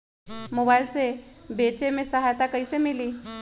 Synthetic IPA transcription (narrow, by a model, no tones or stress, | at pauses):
mobajlsebet͡ʃemẽsəɦajt̪akəisemiliː